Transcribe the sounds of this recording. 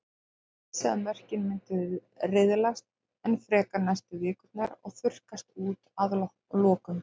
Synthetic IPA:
sɛ̰ðanvɛr̥cɪnmɪnt̪ʏ | rɪðlast̪̚ | ɛnfɾɛːkanajst̪ʏvɪːkʏt̪naɾɔɣθʏr̥kast̪uːt̪að | lɔːkʏm

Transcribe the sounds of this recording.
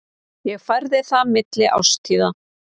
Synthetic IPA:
jɛɣfajɾðɪθamɪt̪lɪʔa̰wst̪ʰiːða

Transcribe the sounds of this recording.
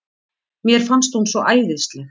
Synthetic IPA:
mjɛɾ̥fanst̪hunsvɔʔaːjðɪst̪lɛx

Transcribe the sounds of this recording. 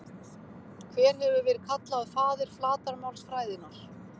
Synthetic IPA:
kʰvɛːɾ̥hɛvʏvɛːɾɪð̥kʰat̪laaðfaːðɪɾ̥flaːt̪aɾmawlsfɾaːjðɪnaɾ̥

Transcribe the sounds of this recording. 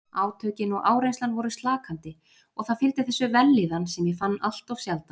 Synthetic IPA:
aːwt̪ʰœːɥcɪnɔɣʔaːwɾejnst̪lanvɔɾʏst̪laːkʰant̪ɪ | ɔɣθaðfɪlt̪ɪ̥θɛsːʏvɛlːɪðansɛmjɛfanːal̥t̪av̥sjalt̪a

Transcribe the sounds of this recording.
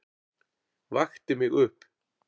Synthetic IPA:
vaxt̪ɪmɪɣʏhp

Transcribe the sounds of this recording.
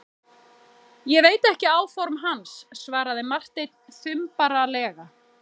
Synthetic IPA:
jɛveːjt̪ɛhcɪaːwfɔɾmɦansːvaːɾaðɪmar̥t̪ejt̪nθʏmpaɾalɛːɣa

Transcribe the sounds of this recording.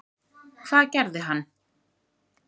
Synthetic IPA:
kʰvaðcɛɾðɪɦanː

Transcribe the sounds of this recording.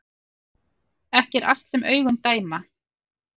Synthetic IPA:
ɛhcɛɾa̰l̥t̪sɛmʔœːɥɣʏnt̪aːjma

